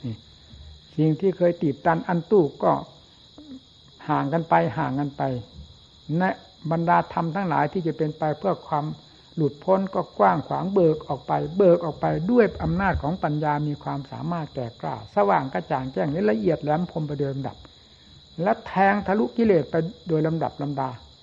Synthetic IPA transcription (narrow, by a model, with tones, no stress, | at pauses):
niː˧˩ | si˨˩ŋt̪ʰiː˧˥˩kʰɤː˧jt̪iː˨˩p̚t̪aː˧˥˩nʔa˧˨nt̪uː˧˩kːɔː˧˩ | haː˨˩ŋka˧npa˧jɦaː˨˩ŋka˧npa˧j | na˧˥˦ | ba˧ndaː˧t̪ʰa˧mt̪ʰaː˧˥˩ŋlaː˨˦jt̪ʰiː˧˩t͡ɕa˨˩pe˧npa˧jpʰɯ˧˩ɐkʰwaː˧m | lu˨˩t̪̚pʰo˧˥˨nkɔː˧˩kwaː˧˥˩ŋkʰwaː˨˩˦ŋbɤː˨˩k̚ʔɔː˨˩k̚pa˧jbɤː˨˩k̚ʔɔː˨˩k̚pa˧jdu˥˩əjʔa˧mnaː˥˩t̪̚kʰɔː˨˦ŋpa˨njaː˧miː˧kʰwaː˧msa̰ː˨˩˦maː˥˩t̪̚kɛː˨˩kla̰ː˧˩wsa˧waː˨˩ŋka˧˥˩t͡ɕaː˨˩ŋt͡ɕɛː˥˩ŋla˦˥˨la˧ʔi˨˩ət̪̚lɛ˧˥˨m˧˦pʰo˧˥mpa˧jdoː˧jla˧mda̰˨˩p̚ | lɛː˦˥˩wt̪ʰɛː˧ŋt̪ʰa˧lu˦˥ʔki˧leː˨˩t̪̚pa˧jdoː˧jla˧mda̰˨˩p̚la˧mdaː˧